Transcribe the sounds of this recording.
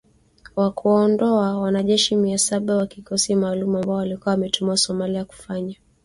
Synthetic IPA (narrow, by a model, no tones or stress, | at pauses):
wakuwaɔndɔawanaʄɛʃimiasaɓawakikɔsimaːlumuambaɔwalikuawamɛtumuasɔmaliaku̥faɲa